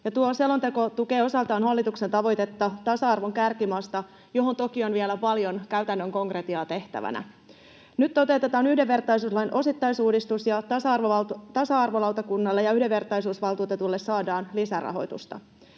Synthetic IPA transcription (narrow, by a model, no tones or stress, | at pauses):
jɑt̪uoselo̞nt̪e̞ko̞t̪uke̞ːo̞sɑlt̪ɑːnɦɑlːit̪ukse̞nt̪ɑʋo̞jt̪e̞t̪ːɑt̪ɑsɑɑrʋoŋkærkimɑːst̪ɑ | jo̞ɦont̪o̞kio̞nʋielæpɑljo̞nkæyt̪ænːøŋko̞ŋkret̪iɑːt̪e̞ht̪æ̰ʋæ̰næ̰ | nyt̪ːo̞t̪et̪et̪ɑːnyhdeʋʋe̞rt̪ˑɑjs̬uːslɑjnʔo̞sit̪ːɑjsuːdist̪usjɑsɑrt̪ɑsɑɑrʋolɑwt̪ɑkunːɑlːejɑyhdeʋe̞rt̪ˑɑjsuːsʋɑlt̪uːt̪e̞t̪ulːe̞ssɑːdɑːnlisærɑ̰ɦo̞̰jt̪ṵst̪ɑ̰